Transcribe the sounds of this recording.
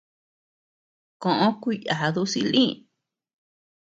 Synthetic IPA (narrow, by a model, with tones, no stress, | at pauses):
kõ˨ʔõ˦kʷi˦ja˨˧ðu˧˦si˧lĩ˦˧˨